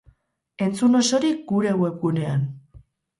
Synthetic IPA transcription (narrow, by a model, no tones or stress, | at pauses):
e̞nt͡suno̞so̞ɾik̚ɡuɾe̞we̞pɡune̞an